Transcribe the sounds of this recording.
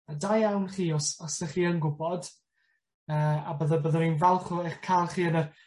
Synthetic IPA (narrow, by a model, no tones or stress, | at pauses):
adajawnχiːɔsɔsəχiːənɡʊbɔd̥ | əːabəðəbəðəninvalˠχʊeχkʰajlˠχiːənə